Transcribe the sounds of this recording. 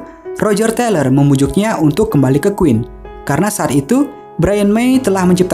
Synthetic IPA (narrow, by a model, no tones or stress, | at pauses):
rod͡ʒərt̪ɛlərməmud͡ʒʊk̚ɲaunt̪ʊkːəmbalikəkuwɪn | kaɾənasaːt̪it̪u | bɾajənmejt̪əlahməɲd͡ʒəp̚t̪